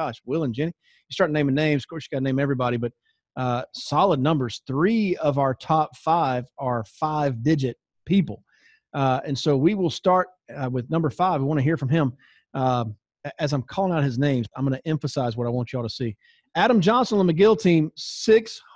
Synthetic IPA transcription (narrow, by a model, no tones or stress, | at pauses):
ɑʃwɪlˠə̃nd͡ʒɛ̃ñi | jəstɑɹɾ̚nẽɪ̃m̃ŋnẽɪ̃mz̥ʌ̥kʰɔɹsɨɡɑɾnẽɪ̃mɛvɹibɑɾibʌt̚ | ʌsɑlˠədⁿnʌ̃mbə˞z̥θɹiʌvaʊə˞tʰɑpfaɪvə˞faɪvdɪd͡ʒɨt̚ | pʰipl̩ˠ | ɨ̃nsoʊwiwɪlˠstɑɹt̚wɨðnʌ̃mbə˞faɪvwiwɑ̃ñɨɦiɹfɹʌ̃mɪ̃m | ʌ | ʔɨzãɪ̃mkʰɔlˠɪ̃ŋaʊt̚hɨznẽɪ̃mzãɪ̃mɡʌnɨʔɛ̃ɱfəsaɪzwʌɾaɪwɑ̃nt͡ʃɨɔtəsi | æɾə̃md͡ʒɑ̃nsə̃n̩ləmɨɡɪlˠtʰĩmsɪks